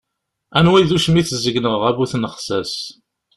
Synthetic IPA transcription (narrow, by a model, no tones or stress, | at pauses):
ænwiðuʃəmiθəzəɡnəʁʁæbuθnəχsæs